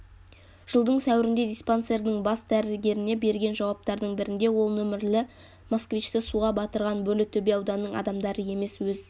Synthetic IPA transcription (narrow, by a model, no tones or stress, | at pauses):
ʒ̥əlˠd̪əɴsæwɪɾɪnd̪e̞d̪ʲijspo̞nse̞ɾd̪ɪɴbɑsd̪æɾɪlɡʲe̞ɾɪne̞be̞ɾɡʲe̞nʒɑwɑp̚t̪ɑɾd̪əɴbɪɾɪnd̪e̞wo̞lˠnɵmɪɾlɪ | moskvit͡ʃt̪ɪsuʁɑbɑt̪əɾʁɑnbɵlɪt̪ʰːɵbe̞ɑwd̪ɑnːəɴɑ̰d̪ɑmd̪ɑɾəje̞me̞swɵz